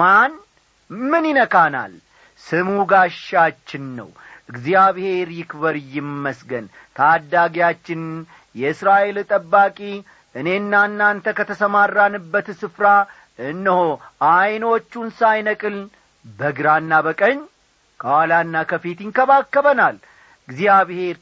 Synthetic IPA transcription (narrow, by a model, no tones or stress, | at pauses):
man | mɨnjɪnəkʰʼana̰l | sɨmuɡaʃːat͡ʃːɪnːə̰wʔɨɡzjaβhe̞ɾjɪkβəɾjɪmːəsɡən | t̪ʰad̪ːaɡjat͡ʃːɪn | jɛɨsɾaʔe̞lt̪ʼəbːakʼi | ʔɨne̞nːanːant̪ʰəkət̪ʰəsəmarːanɨbːət̪sɨfɾa | ʔɨnːəhoʔajno̞t͡ʃːunsajnəkʼɨl | bəɡɨɾanːabəkʼəɲː | kʰəwalanːakʰəfit̪jɪnkʰəβakːəβənal | ɨɡzijaβhe̞ɾ